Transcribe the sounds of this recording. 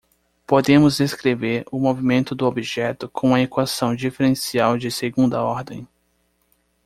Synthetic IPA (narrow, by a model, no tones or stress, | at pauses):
pod̪ẽmʊzd̪eskɾeveɾʊmovimẽnt̪ʊd̪ʊobiʒɛt̪ʊkʰõw̃ɐekwasɐ̃w̃d͡ʒifeɾẽsiawd͡ʒɪseɡũnd̪ɐɔɾd̪ẽj̃